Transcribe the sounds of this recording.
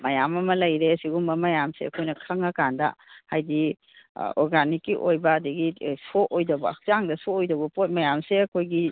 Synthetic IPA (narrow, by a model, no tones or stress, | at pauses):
mɐjamɐmɐlɐjɾeɐsiɡumɐmɐjamseɐ̰kʰojnɐkʰɐŋɐkandɐ̰hajdi | ɔɾɡanikːiʔojbɐːdɐɡisoojdɐbɐɐ̰k̚t͡ʃaŋdɐsoojdɐbɐpot̚mɐjamseɐkʰojɡi